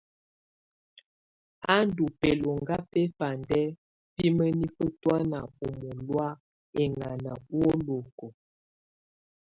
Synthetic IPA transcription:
a˦n˦du˨pɛ˨lo˨ŋɡa˦pɛ˦fa˨ndɛ˦ | pi˦mə˦ni˦fə˦twa˦na˨o˨mo˨lwa˦ | e˨ŋa˨na˨wo˦lo˨ko˨

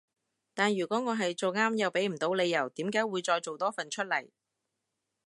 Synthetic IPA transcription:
t̪aː˨nɥyː˨˩kʷɔː˨˥ŋɔː˨˧ɦɐ˨jt͡so˨wŋaː˥mjɐ˨wpe˨˥jm̩˨˩t̪o˨˧wle˨˧jːɐ˨˩wt̪iː˨˥mkaː˨˥jwuː˨˧jt͡ʃɔː˧jt͡so˨wt̪ɔː˥fɐ˨nt͡ʃʰɵ˥t̚lɐ˨˩j

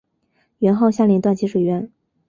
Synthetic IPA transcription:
ɥɛ˧˥nxo˥˧ʊɕja˥˩ljɛ˧˥nt̪wa˥˩nt͡ɕʰi˧˥ʂwe˨˩ɥɛ˧˥n

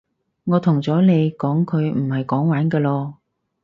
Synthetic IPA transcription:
ŋɔː˨˧t̪ʰʊ˨˩ŋt͡sɔː˨˥ne˨˧jkɔː˨˥ŋkʰɵ˨˧ɥm̩˨˩hɐ˨jkɔː˨˥ŋwaː˨˥nkɛː˧lɔː˧

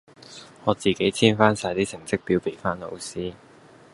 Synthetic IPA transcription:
ŋɔː˨˧t͡siː˨ke˨˥jt͡sʰiː˥nfaː˥nsaː˧jt̪iː˥t͡sʰɪ˨˩ŋt͡sɪ˥k̚piː˧wpe˨˩faː˥nlo̰˨˧wsiː˥

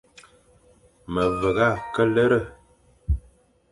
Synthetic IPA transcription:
mə˨və˨ɣa˦˨kə˦lə˦ɾə˦˨

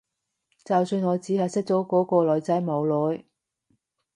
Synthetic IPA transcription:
t͡sɐ˨wsyː˧nŋɔː˨˧t͡siː˨˥hɐ˨jsɪ˥k̚t͡so˨˥wkɔː˨˥kɔː˧lɔː˨˧˥jt͡sɐ˨˥jmo˨˧wlɔː˨˧j

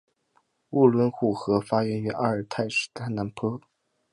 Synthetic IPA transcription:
u˥˩lwə˧˥nxu˥˨˩xɤ˧˥fa˥jɛ˧˥ny˧˥ʔa˥˩ə˞˨˩t̪ʰa˥˩ɪʂɻ̩̥˨˩t̪ʰa˥na˧˥npʰɤ˥

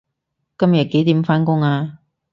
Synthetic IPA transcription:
kɐ˥mjɐ˨˩t̚ke˨˥jt̪iː˨˥mfaː˥nkʊ˥ŋaː˧

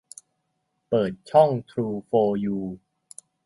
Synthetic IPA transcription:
pɤː˨˩t̪̚t͡ɕʰɔ˥˩ŋt̪ʰɾuː˧foː˧juː˧

